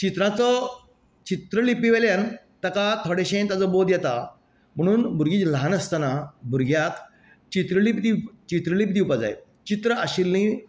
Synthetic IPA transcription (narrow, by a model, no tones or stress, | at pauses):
t͡ɕit̪ɾãt͡sə | t͡ɕit̪ɾəlipiʋeljan | t̪əkat̪ʰoɽeɕẽnt̪ad͡zəbod̪jɛt̪a | m̤əɽ̃uːnbʱuɾɡiːt͡slanəst̪ənabʱuɾɡjak | t͡ɕit̪ɾəlipd̪it͡ɕit̪ɾəlip̚d̪iupad͡za̰jt͡ɕit̪ɾəaɕilnĩ